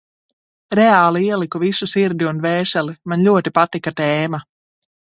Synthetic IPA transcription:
ɾɛaːlˠiiɛlˠikuvisusiɾd̪ʲiunvɛːʃɛlimanlʲuɔt̪ipat̪ikat̪ɛːma

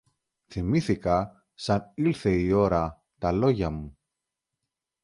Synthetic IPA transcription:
θimiθikɐ | sɐnilθe̞io̞ɾɐ | t̪ɐlo̞ʝɐmu

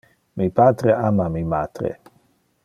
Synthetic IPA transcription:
mipat̪ɾeʔamamimat̪ɾḛ

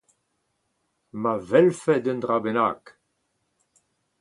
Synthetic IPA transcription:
mavɛlfɛd̪ənd̪ʁabena̰ːk

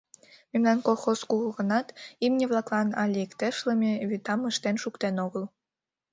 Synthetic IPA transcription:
memnɑnkolˠxoskuɣəɣə̆nɑt̪imnʲeβlˠɑklɑnɑlʲiekt̪eʃlɤmʲeβit̪ɑməʃt̪enʃukt̪enoɣəl

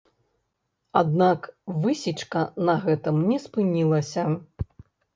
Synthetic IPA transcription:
ad̪nakvɨsʲit͡ʂkɐnɐɣɛt̪ɨmnʲɛspɨnʲilˠɐsʲɐ

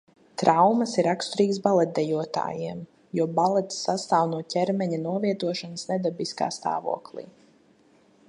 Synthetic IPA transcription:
t̪ɾawmɐsiɾakst̪uɾiːksbalˠɛt̪̚d̪ɛjuɔt̪a̰ːjiɛm | juɔbalˠɛt̪sːast̪aːwnuɔcʲɛɾmɛɲanuɔviɛt̪uɔʃanəsnɛd̪abiska̰ːst̪a̰ːvṵɔklˠḭː

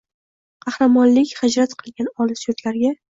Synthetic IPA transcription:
qʰɑhɾamɒnlɪkʲhad͡ʒɾat̪qʰɨlˠɡʲanɒlˠɪsoɾt̪laɾɡʲa

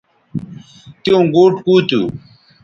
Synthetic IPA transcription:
t̪iõɡoːʈkuːt̪ṵ

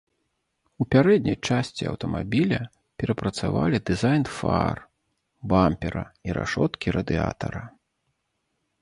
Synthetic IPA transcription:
upʲaɾɛd̪ʲnʲɐjt͡ʂasʲt͡sʲiɐ̰wt̪ɐmabʲilʲɐ | pʲɛɾɐpɾɐt̪sava̰lʲid̪ɨzajnfa̰r | bampʲɛɾɐ̰iɾa̰ʂɔt̪kʲiɾɐd̪ɨa̰t̪ɐɾɐ

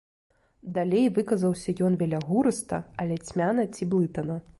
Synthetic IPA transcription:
d̪alʲejvɨkɐzɐwsʲɐjɔnvʲɛlʲaɣuɾɨst̪ɐ̰ɐlʲɛt͡sʲmʲanɐt͡sʲiblˠɨt̪ɐnɐ

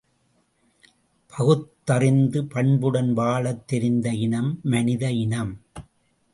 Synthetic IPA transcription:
pʰɐɣɯt̪ːɐrɪnd̪ɯpɐɳbɯɽɐnʋaːɭɐt̪ːɛɾɪnd̪ɐɪnɐmːɐnɪðɐɪnɐm

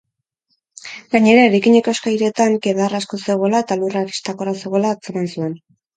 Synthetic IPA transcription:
ɡaɲe̞ɾaeɾajkiɲe̞ko̞eskajɾe̞t̪aŋke̞ðaraskose̞ɣ̞o̞lae̞t̪aluraɾist̪akorase̞ɣo̞lat͡semansue̞n

